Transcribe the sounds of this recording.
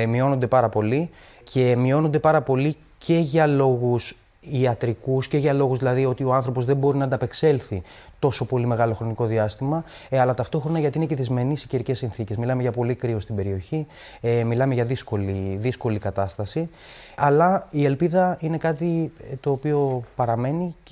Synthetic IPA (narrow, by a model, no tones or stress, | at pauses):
mio̞no̞nd̪e̞pɐɾɐpo̞li | cʰe̞mio̞no̞nd̪e̞pɐɾɐpo̞li | cʰe̞ʝɐlo̞ɣus | iɐt̪ɾikusce̞ʝɐlo̞ɣuzðilɐðio̞t̪io̞ɐnθɾo̞po̞zðe̞bo̞ɾinɐnd̪ɐpe̞kse̞lθit̪o̞so̞po̞lime̞ɣɐlo̞xɾo̞niko̞ðiɐst̪imɐɐlɐt̪ɐft̪o̞xɾo̞nɐʝɐt̪iine̞ce̞ðizme̞nisiceɾice̞sːinθice̞zmilɐmeʝɐpo̞likɾio̞st̪ibe̞ɾio̞çimilɐmeʝɐðisko̞liðisko̞likɐt̪ɐst̪ɐsiɐlɐie̞lpiðɐine̞kɐt̪it̪o̞ːpio̞pɐɾɐme̞ni